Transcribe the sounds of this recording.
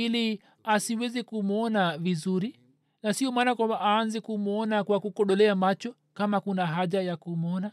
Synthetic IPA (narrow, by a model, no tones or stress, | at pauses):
ili | asiwɛzikumɔnavizuɾi | nasiɔmaːnakwambaʔaːnzɛkumɔnakwakukɔɗɔlɛamat͡ʃɔ | kamakunaɦaʄajakumɔna